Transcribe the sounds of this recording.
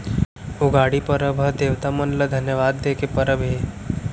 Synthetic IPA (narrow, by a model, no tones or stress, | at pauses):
ʊɡaɽipəɾəbʱəd̪eːʋt̪amənləd̪ʱənjəʋaːd̪ːekepəɾəbɦe